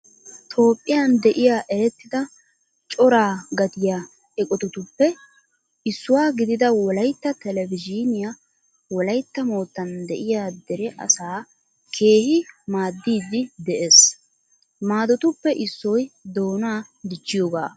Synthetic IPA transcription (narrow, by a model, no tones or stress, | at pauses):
t̪ʰo̞ːpʼːɪjɐnd̪ɛʔɪjaːʔɛɾɛt̪ːɪd̪ɐ | t͡ʃʼɔɾaːɡɐt̪ɪja | ɛkʼɔt̪ʊt̪ʊpːɛ | ʔɪsːʊwaːɡɪd̪ɪd̪ɐwɔlɐjt̪ːɐt̪ɛlɛvɪd͡ʒɪnɪja | wɔlɐjt̪ːɐmo̞ːt̪ːɐnd̪ɛʔɪjaːd̪ɛɾɛʔɐ̰saː | kʰe̞ːhɪmaːd̪ːiːd̪ɪd̪ɛʔeːs | maːd̪ɔt̪ʊpːɛʔɪsːɔjd̪o̞ːnaː | d̪ɪt͡ʃːɪjoːɡa̰ː